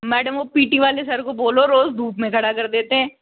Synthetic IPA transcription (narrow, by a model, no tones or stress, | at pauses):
mɛːɖəmʋoːpiːʈiʋaːlesɐɾkoboːloɾoːzd̪ʱuːpmẽkʰɐɽakɐɾd̪eːt̪eɦɛ̃ː